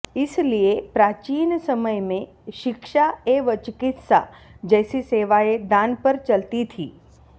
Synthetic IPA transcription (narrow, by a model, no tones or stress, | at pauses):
ɪsliepɾat͡ʃiːnsəməjmẽ | ʃɪkʃaeʋət͡ʃkɪt̪sa̰d͡ʒɛsiseʋaed̪ãnpəɾt͡ʃəlt̪it̪ʰi